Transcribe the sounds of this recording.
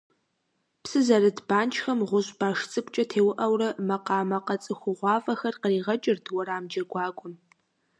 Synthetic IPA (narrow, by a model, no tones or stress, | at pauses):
psɨzɐrɨdbaːnt͡ʃʰʼxɐmʁʷʊɕb̥aːʂt͡sʼɨpʷt͡ʃʼɐtʰeːwʊʔɐwrɐmɐqɑːmɐqɐt͡sʼɨxʷʊʁʷɑːvɐxɐrqəriːʁɐt͡ʃʼɪrtʰwɐɾaːmd͡ʒɐɡʷɑːɡʷʊm